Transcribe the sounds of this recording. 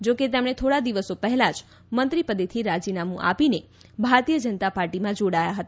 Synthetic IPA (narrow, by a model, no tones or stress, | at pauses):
d͡ʒoket̪̬emɽ̃et̪ʰoɽad̪iʋəsopəɦɛlad͡ʒ | mənt̪ɾipəd̪et̪ʰiɾad͡ʒinamũʔa̰pine | bʱaɾt̪ijəd͡ʒənət̪apaɾʈimãd͡ʒoɽajaɦət̪a